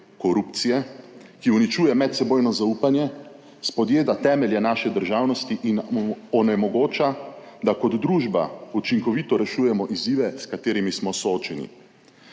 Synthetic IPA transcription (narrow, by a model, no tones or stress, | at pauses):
kɔɾupt̪sijɛkiunit͡ʃuːjɛmɛt̪sɛboːjnɔzauːpanjɛ | spɔd̪jeːd̪at̪ɛːmɛljɛnaːʃɛd̪əɾʒawnɔst̪iʔinɔnɛmɔɡoːt͡ʃa | d̪akɔd̪d̪ɾuːʒba̰ut͡ʃiŋkɔʋit̪ɔɾɛʃuːjɛmɔʔiziːʋɛskat̪eːɾimismɔsɔoːt͡ʃɛnḭ